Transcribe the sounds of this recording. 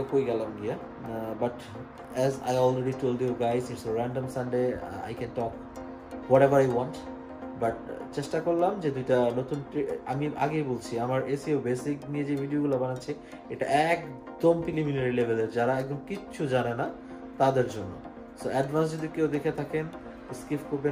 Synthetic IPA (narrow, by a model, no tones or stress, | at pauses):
ekojɡɛlamɡia | baʈ | ɛza̰jɔlɾeɖiʈolɖjuɡajziʈsoɾɛɳɖomsanɖea̰jkɛ̃nʈɔk | wɔʈɛbaɾajwɔ̃nt | baʈ̚t͡ɕeʃʈakoɾlamd͡ʑed̪ujʈanot̪unʈɾia̰miʔa̰ɡejbolt͡ɕʰiamaɾesiebesiknied͡ʑebʱiɖioɡulabanaːt͡ɕʰi | eʈaʔɛk | d̪ompɾiliminaɾilebʱeleɾd͡ʑaɾaɛk̚d̪omkiɕʰud͡ʑanena | t̪ad̪eɾd͡ʑonːo | soʔɛɖvans̬d͡ʑod̪ikewd̪ekʰet̪ʰaken | skifkoɾbe